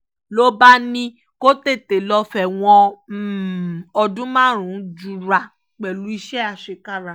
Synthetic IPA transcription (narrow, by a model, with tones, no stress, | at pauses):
lo˦ba˦nĩ˧ | ko˦te˦˨te˨lɔ˧fɛ˨w̃ɔ̃˧˨ | ɔ˧dũ˦mãː˦˨ɾ̃ũ˨˦d͡ʒu˦˧˨ɾa˨ | k͡pɛ˨lu˨˦i˧ʃɛ˦a˧˨ʃe˨˧ka˦˨ɾa˨